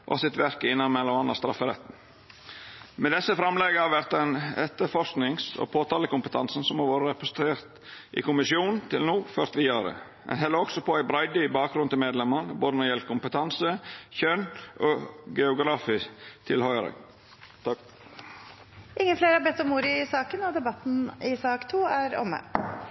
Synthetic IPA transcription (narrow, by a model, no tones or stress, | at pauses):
ʔɔ̰sɪt̪ʋæɾkəɪnːɑnmɛlɔɑnɑ̰st̪ɾɑfːəɾɛt̪n̩ | mɛd̪ɛsːəfɾɑmlɛɡəhɑɾʋæɾt̪ɛnɛt̪ːəɾfɔɾsknɪŋsɔ̰pʰoːt̪ʰɑːləkʊmpət̪ʰɑ̰nsn̩sɔmːoːʋoːɾəɾɛpʊs̩t̪ʰɾeːɾt̪ | ʔɪ̰kʊmɪsɪuːnn̩t̪ʰɪlnuːføɾt̪ʋɪɑːɾə̰ | ɛ̰nɦɛlːəɾɔɡ̥sɔpʰɔæɪbɾɑɪd̪əbɑːk̚ɡɾʉnt̪ʰɪlmeːd̪lɛmːənəboːd̪ənɔɾjɛl̚kʰʊmpət̪ʰɑnsəçœnʔoɡɛʊɡɾɑfiːt̪ʰɪlhɔʏɾə̰ | ʔɪŋːənfleːɾəhɑɾbɛt̪ːɔmuːɾɪɪsɑːkənɔd̪ɛbɑt̪n̩ɪsɑːkt̪ʰuːæɾɔ̰mːə̰